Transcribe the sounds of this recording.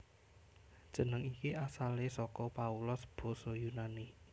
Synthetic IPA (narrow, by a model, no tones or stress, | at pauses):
d̥ʒ̥ə̤nəŋikiasalesɔkɔpaulʊsb̥ɔ̤sɔjunani